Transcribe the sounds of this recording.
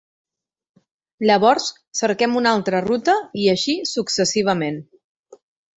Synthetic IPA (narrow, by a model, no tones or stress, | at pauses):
ʎəβ̞ɔɾs | səɾkɛmunalˠt̪ɾərut̪əiəʃisuksəsiβ̞əmen